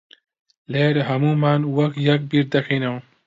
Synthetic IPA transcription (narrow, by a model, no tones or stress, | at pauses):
leɾɦɐmumaːnwɐkt̪jɐk̚biɾ̚d̪ɐkʰinɐw